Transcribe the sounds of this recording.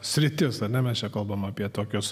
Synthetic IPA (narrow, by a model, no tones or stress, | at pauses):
sʲɾʲɪt̪ʲɪsɐɾʲnʲɛmʲɛst͡ʃʲɛkɐlˠbɐmɑːpʲiɛt̪oːkʲʊs